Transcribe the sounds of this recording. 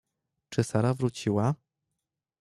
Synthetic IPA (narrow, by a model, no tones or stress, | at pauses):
t͡ʂɘsaɾavɾut͡ɕiwa